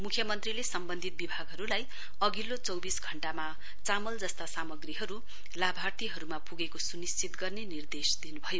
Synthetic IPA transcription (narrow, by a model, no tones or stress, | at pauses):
mukʰjʌmʌnt̪rilesʌmbʌnd̪ʱit̪̚bibʱaɡɦʌɾulaj | ʌɡilːot͡sʌwbisɡʱʌɳʈama | t͡samʌld͡zʌst̪asamʌɡriɦʌɾu | labʱart̪iɦʌɾumapuɡekosunist͡sit̪ɡʌrnenird̪esd̪inubʱʌjo